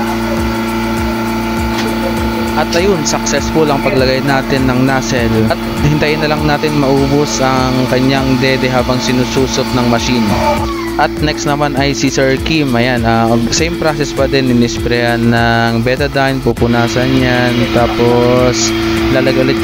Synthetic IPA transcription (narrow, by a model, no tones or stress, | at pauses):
ʔɐt̪ʔɐjonsɐk̚sɛsfʊlɐŋpɐɡlɐɡajnaːt̪ɪnːɐŋnaːsɛlt̪̚hɪnt̪ajɪnːɐlɐŋnaːt̪ɪnmɐʔuːbosɐŋkɐɲaŋd̪ɛːd̪ɛɦaːbɐŋsɪnusuːsot̪̚nɐŋmɐʃiːno | ʔɐt̪̚nɛksnɐmanɐjsisɛɹkimɐjanaɡsɛjmpɾasɛspɐd̪ɛnɪnɪspɾɛhanːɐŋbɛt̪ɛd̪ajnpupʊnaːsɐnjant̪aːposlalɐɡɐlɪt̪